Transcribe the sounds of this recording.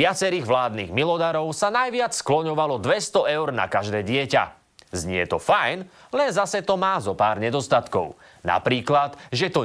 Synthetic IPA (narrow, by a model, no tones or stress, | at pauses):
ɪat͡sɛɾiːɣʋlaːd̪nḭːɣmilɔd̪aɾɔʊsanajʋɪat͡ssklɔɲɔʋalɔd̪ʋɛst̪ɔɛʊɾna̰kaʒd̪ɛːɟɪɛca̰ | zɲɪɛt̪ɔfajn | lɛnzasɛt̪ɔmaːzɔpaːɾɲɛd̪ɔst̪at̪kɔ̰ʊ | na̰pɾiːklad̪ʒɛt̪ɔ